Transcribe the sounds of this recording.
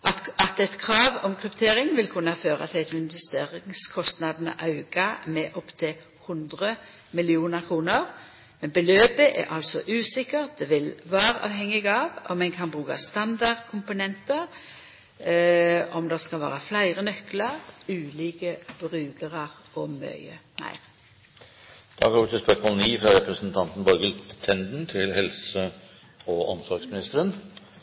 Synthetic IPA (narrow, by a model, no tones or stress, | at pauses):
ɑt̪ɛt̪kʰʁɑːʋɔmkʰɾʉpt̪ʰeːʁɪŋʋɪlkʰʉnːɑføːʁɑ̰t̪ʰɪlæɪt̪ɪnʋɛst̪eːʁɪŋskʰɔst̪nɑd̪nə̰ʔɑʉɡ̥ɑmɛʔɔpːt̪ʰɪl | hʊnd̪ʁə | mɪlɪuːnəʁkʰʁuːnəʁ | mɛnbəløːbəʔɛ̰ɾʔɑlsɔʔʉːsɪkːəʁt̪̚d̪ɛʋɪlʋɑːʁəʔɑ̰ːʋhɛŋːɪɡɑʋɔmːɛnkʰɑnbʁʉːkɑ̰st̪ɑnd̪ɑd̪kʰʊmpʊnɛnt̪əʁ | ɔmd̪ɛskɑlʋæ̰ːʁəflæɪʁənœklɑʁʉːliːkəb̥ʁʉːɡəʁɑʁ | ɔmœ̰ʏə̰næ̰ɪ | d̪̥ɑ̰ːɡɑoːʋɪt̪ʰɪspœkmoːlniːfɾɑɾɛpɾəsənt̪ʰɑnt̪n̩bɔɾɡəlt̪ʰɛnd̪n̩t̪ʰɪlhɛlsə | ɔɔ̰msɔɾɡsmɪnɪst̪əɾən